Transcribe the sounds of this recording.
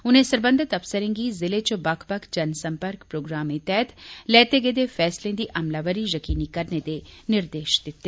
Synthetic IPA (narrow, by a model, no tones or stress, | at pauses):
ʊnẽsəɾbə̃nd̪ʱɪt̪ɐpsəɾɪ̃ŋɡizɪlet͡ʃobɐkʰbəkʰd͡ʒɐnsə̃mpəɾkpɾoːɡɾaːmẽt̪ɛɦət̪lɛːt̪eɡeːd̪efʰɛːslẽd̪iʔɐmlaʋəɾijəkiːnikɐɾned̪enɪɾd̪eːʃd̪ɪt̪ːeː